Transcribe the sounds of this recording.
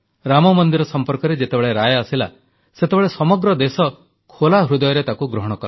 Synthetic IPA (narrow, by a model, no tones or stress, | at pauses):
ɾamɔmɔnd̪iɾɔsɔmpɔɾkɔɾed͡ʒet̪ebeɭeɾajɔasila̰ | set̪ebeɭesɔmɔɡɾɔd̪esɔ | kʰolaɦɾud̪ɔjɔɾet̪akuɡɾɔɦɔɽ̃ɔkɔɾ